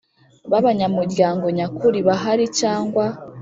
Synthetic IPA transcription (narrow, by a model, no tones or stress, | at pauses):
βaβaɲamuɾɟaːŋɡo̞ɲakuɾiβaɦaɾicaːŋɡwa